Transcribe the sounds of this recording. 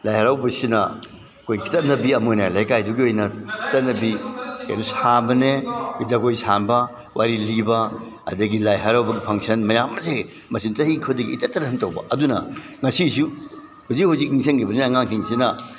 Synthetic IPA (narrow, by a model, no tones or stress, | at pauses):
lajhaɾawbɐsinɐ̰ | kʰojkʰi̥tɐt̚nɐbiɐmojnɐlajkajduɡiojnɐkʰi̥tɐtnɐbika̰jdusabɐnebizaɡojsanbɐ | wʔaɾilibɐ | ɐ̰dɐɡilajɦaɾawbɐɡipʰɐŋsɐnmɐjamːɐse | mɐsinsɐhikʰɐdɐɡḭːtɐtːɐnɐhɐntɐwbɐ̰ɐdunɐ̰ŋɐsisu | huzik̚huzik̚niŋsʰɐnŋkʰibɐneɐŋaŋkʰiŋsinɐ